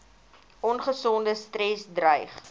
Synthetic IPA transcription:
ʔɔnχəsɔndəstrɛsdrəjχ

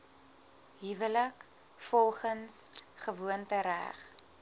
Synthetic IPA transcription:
ɦivələk | fɔlˠχənsχəvuəntəɾæ̰χ

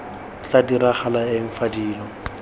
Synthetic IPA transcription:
t͡sadiɾaχalaɪɱ̩fadiːlɔ

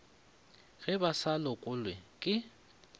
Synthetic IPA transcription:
ɣɛbasalɔkʼʊlwɛkʼɪ

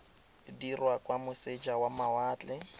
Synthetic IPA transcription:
dirwakʼwamʊsed͡ʒawamawaːt͡ɬʼɪ

